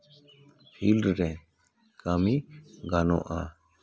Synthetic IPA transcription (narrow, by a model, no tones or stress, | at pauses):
pʰilɖɾɛ | kʰamiɡanɔ̰̃ʔa